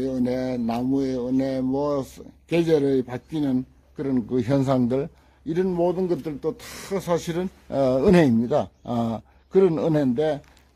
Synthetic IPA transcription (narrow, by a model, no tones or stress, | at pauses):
eɯne̞namueɯne̞mwʌked͡ʑeɾɯɭpak͈inɯn | kɯɾʌnkɯçjʌns̬ʰaŋdɯɭ | iɾɯnmodɯnɡʌt̚t͈ɯɭt͈otḁsʰaɕʰiɾɯn | ɯnɦe̞imɲida | kɯɾʌnɯnɦe̞nde̞